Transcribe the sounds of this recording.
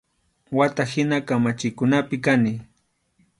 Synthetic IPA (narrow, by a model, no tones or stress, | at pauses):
wat̪ahɪnakamat͡ʃɪkʊnapɪkanɪ